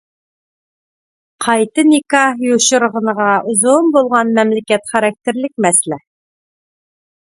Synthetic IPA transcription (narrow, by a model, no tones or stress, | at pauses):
qʰɑjt̪ənikɑjoɕə̆ɾʁə̆nəʁɑʔʊzombolˠʁɑnmɛmlɪkʲɛt̪χæɾɑk̚t̪ɪɾlɪk̚ʲmɛslɛ